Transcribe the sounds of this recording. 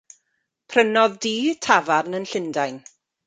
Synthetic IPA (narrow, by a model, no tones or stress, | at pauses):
pʰrənɔðdiːtʰavaɾnənɬɪndajn